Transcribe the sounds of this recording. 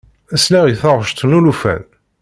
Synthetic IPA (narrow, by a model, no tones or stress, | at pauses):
æsnæʁiθəʁˤʃt̪ˤnulufæ̰n